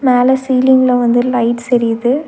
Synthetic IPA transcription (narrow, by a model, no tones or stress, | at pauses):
meːlɐsiːlɪŋɡɪlɐ̃ʋɐnd̪ɯlɐɪʈsɛɾɪjɐðɯ